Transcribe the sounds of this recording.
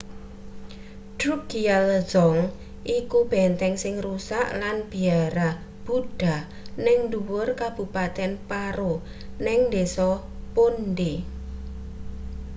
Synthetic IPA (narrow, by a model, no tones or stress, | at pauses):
d̥ɾuɡ̥ialdz̥ɔŋ | ʔikub̥ɛ̤nt̪ɛŋsɪŋrusaʔlanb̥i̤aɾa | b̥uɖ̥a̤ | nɪŋnduwʊrkab̥ṳpat̪ɛnpaɾo | nɪŋnd̪esɔ | ponɖe